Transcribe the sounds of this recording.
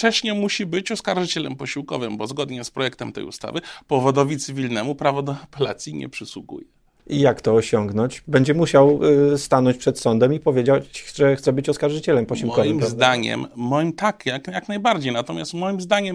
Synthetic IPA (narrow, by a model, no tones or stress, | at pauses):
ft͡ʂɛɕɲɛmuɕibɘt͡ɕɔskaɾʐɨt͡ɕɛlɛ̰mpɔɕiwkɔ̰vɘmbɔzɡɔd̪ɲɛspɾɔjɛk̚t̪ɛmt̪ɛ̰jṵst̪a̰vɘpɔvɔd̪ɔvʲit̪sɘvʲilnɛmupɾavɔd̪ɔapɛla̰t̪sʲjiɲɛ̰pʂɘswuɡṵjɛ | ijakt̪ɔːɕɔŋɡnɔɲt͡ɕbɛɲd͡ʑɛmuɕawst̪anɔɲt͡ɕpʂɛt̪sɔnd̪ɛmipɔvʲjed͡ʑat͡ɕʐɛxt̪sɛbɘt͡ɕɔskaɾʐɘt͡ɕɛlɛmpɔɕiwkɔvɘmpɾazd̪aɲɛ̰mːɔjimt̪akʲakjaknajbaɾd͡ʑejnat̪ɔmʲjast̪mɔjimzd̪aɲɛm